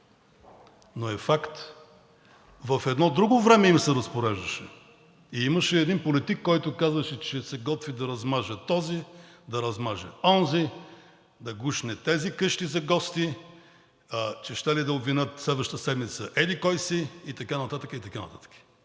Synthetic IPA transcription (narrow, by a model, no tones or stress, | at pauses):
noɛfakt̪ | vɐfɛd̪nɔd̪ɾuɡovɾɛmɛimsɛɾɐspoɾɛʒd̪ɐʃɛ | iimɐʃɛːd̪inpolit̪ikːɔjt̪ʊkazvəʃɛt͡ʃɛsɛɡɔt̪vid̪ɐɾɐzmaʒət̪ɔzid̪ɐɾɐzmaʒɛ̰ɔnzi | d̪ɐɡuʃnɛt̪ɛzikɤʃt̪izɐɡɔst̪i | ət͡ʃɛʃt̪ɛlid̪ɐʊbvinɤt̪slɛd̪vəʃt̪t̪əsɛd̪mit̪səʔɛd̪ikɔjsiit̪ɐkanɐt̪at̪əkəit̪ɐkanɐ̰t̪at̪ə̥kə̥